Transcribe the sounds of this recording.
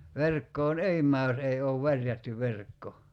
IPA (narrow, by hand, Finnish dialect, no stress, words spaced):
ʋerkːoːn ei mˑæː jos ei oːʋ ʋærjætːy ʋerkːo